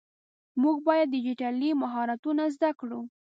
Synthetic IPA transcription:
muɡbɑjad̪ːɪd͡ʒiʈalimaɦɑɾat̪unazd̪akɽu

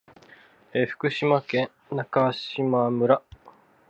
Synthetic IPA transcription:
eɸɯ̟̥kɯ̟ɕimakẽ̞ | nakaɕimamɯ̟ɾa

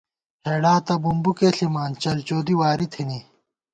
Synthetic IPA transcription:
heːɖaːt̪ɐbumbukeːɬimaːnt͡ɕɐlt͡ɕoːd̪iwaːɾit̪ʰini

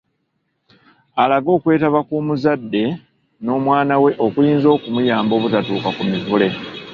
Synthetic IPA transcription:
alaɡo̞ːkwe̞ːtaβakuːmuzadːe̞ | no̞ːmwaːnawe̞ʔo̞kujiːnzo̞ːkumujaːmbo̞ːβutatuːkakumivule̞

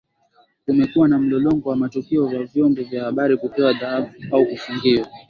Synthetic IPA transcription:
kumɛkuwanam̩lɔlɔŋɡɔwamatukiɔvjavjɔmbɔvjahaɓaɾikupɛwaðahaɓuaukufuŋɡiwa

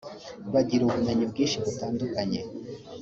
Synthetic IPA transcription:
βaɟiɾuβunaɲubɡiːnʃiβutaːndukaɲe

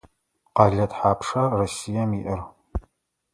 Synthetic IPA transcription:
qɑɮɐtħaːpʰʂɐrosijɐmiʔɪr

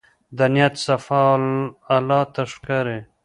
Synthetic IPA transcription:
d̪anjat̪safɑalːɑːt̪aʂkaɾe

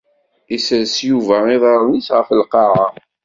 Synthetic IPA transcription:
isəɾsjuvæɪðˤɑɾˤnisʁəfəlqɑʕɑ

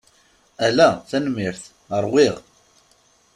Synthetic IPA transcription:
ælæθænmːiɾθ | əɾˤwiʁ

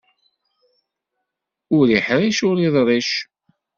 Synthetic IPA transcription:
ʊɾiħɾiʃʊɾiðˤɾˤiʃ

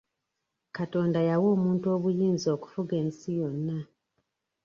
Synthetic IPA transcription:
kato̞ːndajawo̞ːmuːntuo̞ːβujiːnzo̞ːku̥fuɡe̞ːnsijo̞nːa

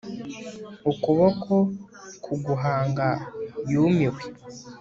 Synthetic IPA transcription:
ukuβokʰo | kʰuɡuɦaːŋɡajuːmiwe

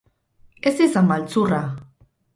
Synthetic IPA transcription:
esisambalt͡sura

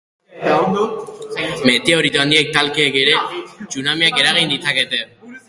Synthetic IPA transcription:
me̞t̪eoɾit̪oand̪iek̚t̪alkeːkeɾe̞t͡ʃunamiake̞ɾaɣ̞ind̪it͡sake̞t̪e̞

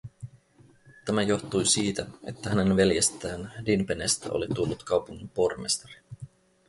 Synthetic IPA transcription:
t̪æmæjo̞ht̪ujsiːt̪æe̞̰t̪ːæhæne̞nʋe̞ljest̪æːndinpenest̪æ̰ʔo̞̰lit̪ulːut̪kɑwpuŋːimpo̞rmḛst̪ɑɾi̥

